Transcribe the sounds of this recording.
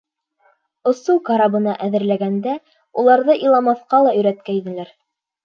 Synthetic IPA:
ŏsukɑɾɑbɤ̆nɑʔæðɘ̆ɾlæɡænd̪æ | ulˠɑɾðɤʔilˠɑmɑθqɑlˠɑɵ̆jɾæt̪kæinɘ̆læɾ

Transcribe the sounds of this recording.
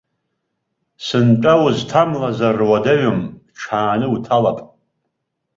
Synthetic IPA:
sɨnʈ͡ʂʼawʊztʰamlazarwadaɥamʈ͡ʂʰaːnɨutʰalapʼ

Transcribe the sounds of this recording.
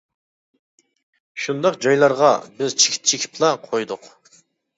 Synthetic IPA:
ʃund̪ɑqd͡ʒɑjlˠɑɾʁɑbɪzt͡ʃʰi̥kʲʰi̥t̪t͡ʃʰekʲʰi̥plˠɑqʰojd̪ʊq

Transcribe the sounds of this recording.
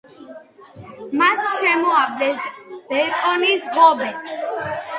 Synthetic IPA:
masʃɛmɔavd̪ɛsb̥ɛt̪ʼɔnisbɔbɛ

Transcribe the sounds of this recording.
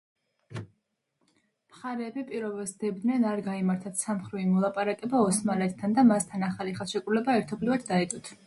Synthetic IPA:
mχaɾɛːbipʼiɾɔvɛsd̪̥ɛbd̪nɛnaɾɡaimaɾt̪ʰat̪ʰsamχɾiimɔlˠapʼaɾakʼɛbaɔsmalɛt̪ʰt̪ʰːand̪amast̪ʰanaχaliχaʃɛkʼɾulɛbaɛɾt̪ʰɔblivad̪̚d̪aɛt̪ʼɔt̪ʰ

